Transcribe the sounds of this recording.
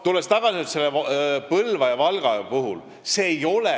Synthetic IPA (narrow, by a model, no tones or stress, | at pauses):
t̪ulːest̪ɑɡ̥ɑsit̪selːepɤlvɑjɑvɑlɡ̥ɑjɑpuɦul | se̞ːjo̞le